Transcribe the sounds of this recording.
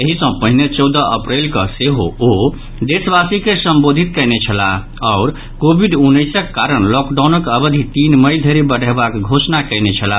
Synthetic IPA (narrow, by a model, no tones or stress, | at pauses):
eɦisə̃pəɦinet͡ʃɔwd̪əʔəpɾelkəseɦo̰o | d̪esbasikesəmbod̪ʱit̪̚kəjnet͡ʃʰəla̰ | ɔʊɾ | kobʱiɖunːəjsəkːaɾəɳlɔkɖawnəkəbəd̪ʱit̪inməjd̪ʱeɾebəɽ̤ʱəbakɡʱosnakəjnet͡ʃʰəla